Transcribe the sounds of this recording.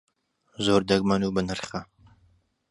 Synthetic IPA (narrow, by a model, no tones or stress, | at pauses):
zoːɾd̪ɐɡ̚mɐnuːbənɐɾχɐ